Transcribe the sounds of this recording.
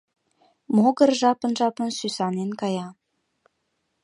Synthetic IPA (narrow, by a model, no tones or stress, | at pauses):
moɣərʒɑpə̆nʒɑpə̆nsysɑnenkɑjɑ